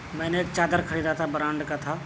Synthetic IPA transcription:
mɛ̃ːneeːkt͡ʃaːd̪əɾkʰəɾiːd̪at̪ʰabɾãːɳɖkat̪ʰa

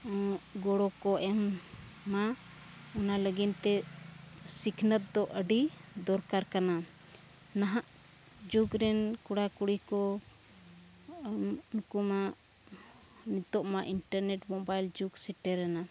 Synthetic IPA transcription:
ɡɔɽɔkɔʔɛmː | a | ɔnaləɡint̪ɛ | sikʰnət̪̚d̪ɔʔəɖid̪ɔɾkaɾkana | naɦaʔ | d͡ʒuɡɾɛnkuɽakuɽikɔ | nkumaʔ | nit̪ɔʔmaʔinʈəɾnɛʈmɔbajld͡ʒuɡsɛʈɛɾɛna

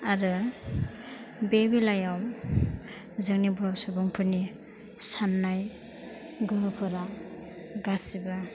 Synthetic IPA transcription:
aɾɯ | bebilajawm | zɯŋnibɾasubɔŋpʰɯni | sanːaj | ɡɯɦɯpʰɯɾa | ɡasiba

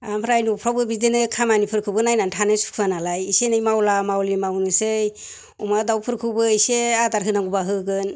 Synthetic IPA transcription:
ampʰɾajnupʰɾawbɯbidenɯkʰamanipʰɯɾkʰɯbɯnajnantʰanɯsu̥kʰanalajisenɯjmawlamawlimawnɯsɯj | umadawpʰɯɾkʰɯbɯiseadaɾɦɯnaŋɡubaɦɯɡɯn

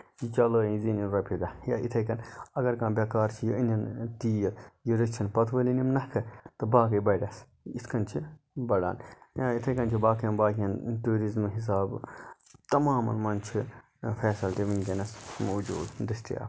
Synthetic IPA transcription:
jit͡ʃɐləːĩziniɾɐpʰid̪ɐjaːʔit̪ʰɐjkɐnɐɡɐɾkãːbʲɐkaːɾt͡ʃʰijiinɐnt̪iːjɐjiɾit͡ʃʰinpɐt̪ʰʋɐlinimnɐhkʰɐt̪ɨbaːk̬ɐjbɐɖɐs | it̪ʰkɐnt͡ʃʰi | bɐɽa̰ːnjait̪ʰɐjkɐnt͡ʃʰibaːkɐjɐmbaːkʲjɐntuːɾizmɦis̬aːb | t̪ɐmaːmɐ̰nmɐnt͡ʃʰi | fʰɛːsɐlt̪iʋinkɐnɐsmoːd͡ʒṵːd̪d̪isʈḭja̰ː

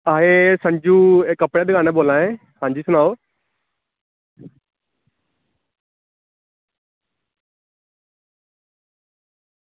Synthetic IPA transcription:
aːɦeːsə̃ɲd͡ʒũːekːəpɽeːd̪ɪɡaːnẽːboːlaːẽː | sãːɲd͡ʒiːsʊnaːoː

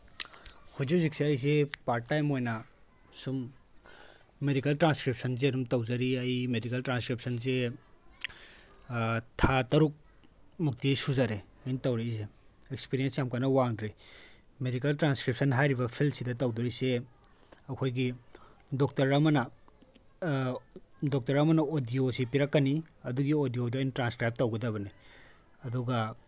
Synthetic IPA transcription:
hud͡ʒizik̚seɐjs̬epaɾʈːajmojnɐ | sum | edikɐltɾanskɾip̚sɐnz̬eɐɾumtɐwzɐɾiɐjmedikɐltɾanskɾip̚sʰɐnze | tʰatɐɾuk̚ | muk̚tijsuzaɾe | ɐjnitɐwɾiis̬eek̚spiɾiensjamkanɐwaŋdɾi | medik̬ɐltɾanskɾip̚sʰɐnɦajɾibɐpʰilmsidɐtɐwduɾise | ɐkʰojɡidok̚tɐɾːɐmɐnɐ | dok̚tɐɾɐmɐnɐodiosipiɾɐkːɐniɐduɡiodijoduɐjntɾanskɾajp̚tɐwɡɐdɐβɐni | ɐduɡɐ

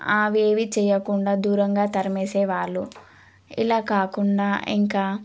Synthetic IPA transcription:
aːʋeːʋit͡ʃɛːjɐkuɳɖaːd̪uːɾɐŋɡaːt̪ɐɾɐmeːsɛːʋaːɭːu | ḭlaːkaːkuɳɖaːḭŋkaː

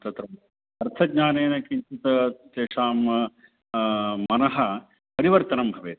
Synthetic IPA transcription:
t̪ɐt̪ɾɐm | ɐɾt̪ʰɐɡɲaːneːnɐkiɲt͡ʃut̪ɐt̪eːʂaːm | mɐnɐɦɐ | pɐɾiʋɐɾt̪ɐnɐmbʱɐʋeːt̪

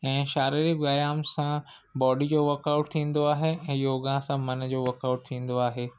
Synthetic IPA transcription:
ɛ̃ːʃaːɾiɾiɡaːjaːmsã | bɔːɖid͡ʑoːʋəɾkaʊʈ̚t̪ʰĩːn̆d̪oaːɦeɛ̃ːjoːɡãsãmɐnd͡ʑoːʋɐɾkaːʊʈ̚t̪ʰĩːn̆d̪oaːɦeː

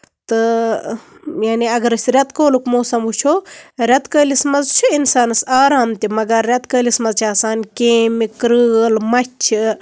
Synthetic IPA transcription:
t̪ɨ | jaːniɐɡɐɾɨsʲɾʲɐt̪koːlukmoːsɐmut͡ʃʰoɾɐt̪kəːlismɐzt͡ʃʰiinsaːnɐsaːɾaːmt̪ʲimɐɡɐɾːɐt̪kəːlismɐzt͡ʃʰaːsaːnkeːmikɾɨlmɐt͡ʃʰi

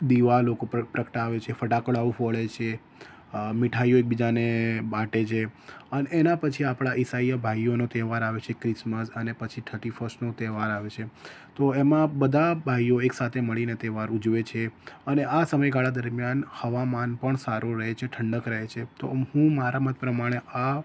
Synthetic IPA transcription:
d̪iʋalokoppɾəkʰʈaʋet͡ʃʰefəʈakəɭaʋũfəɭet͡ʃʰe | mɪʈʰaijoek̚bid͡ʒanebaʈet͡ʃʰeəneːnapət͡ʃʰiapɽ̃aʔɪsaijəbʱajonot̪eʋaɾaʋet͡ʃʰekɾɪsməsənepət͡ʃʰiʈ̪ʰəʈifəsnot̪eʋaɾaʋet͡ʃʰe | t̪oemãbəd̪ʱabʱajjoeksat̪ʰeməɭinet̪eʋaɾud͡ʒʋet͡ʃʰeəneʔasəməjɡaɭad̪əɾmjanhəʋamanpəɳsaɾuɾəɦet͡ʃʰeʈʰəɳɖəkɾəɦet͡ʃʰet̪ohũmaɾamət̪̚pɾəmaɽ̃ea

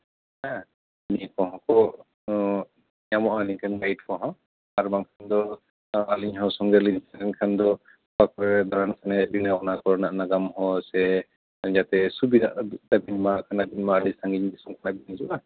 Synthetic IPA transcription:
a | nikɔɦɔ̃kɔ | jamɔʔanikʰanɡajʈ̚kɔɦɔ̃ | aɾbaŋkʰand̪ɔ | aliɲɦɔsɔŋɡɛliɲsanɛnkʰand̪ɔ | pakɔɾɛd̪ɔɾansʰanɛbinaɔknakɔɾnaʔnaɡamhɔ̃sɛ | d͡ʒat̪ɛsubida̰ʔd̪abiɲmakʰanabinmaalisaŋɡiɲd̪isɔmkʰanabiniɲd͡ʒuʔa

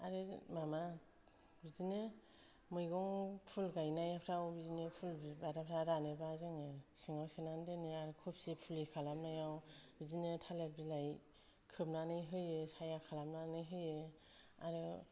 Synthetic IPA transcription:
aɾɯmama | bizine | mɯjɡɔŋpʰulɡajnajapʰɾawbizinepʰulbibaɾapʰɾaɾanebazeŋesiŋawsenandeneaɾɯkʰɔpsipʰulikʰalamnajawbizinetʰalep̚ɾilaj | kʰɯp̚nanɯjɦɯjesajakʰalamnanɯjɦɯje | aɾɯ

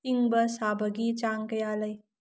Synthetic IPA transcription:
iŋbɐsabʱəɡit͡ʃaːŋkɐjaːləj

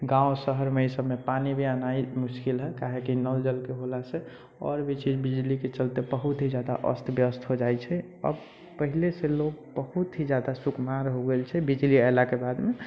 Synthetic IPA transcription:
ɡãõsəɦəɾmeisəbmepanibʱianaimuskilɦɛkaɦekinəld͡ʒəlkeɦolase | ɔ̰ɾbit͡ʃit͡ʃbid͡ʒliket͡ʃəlt̪ebəɦut̪ɦid͡ʒad̪a̰ʔə̰st̪ʰbjəst̪ʰɦod͡ʒajt͡ʃʰɛ | ə̰b | pəɦileseloɡbəhut̪ɦid͡ʒad̪asukmaɾɦoɡelt͡ʃʰɛbid͡ʒlialakebad̪me

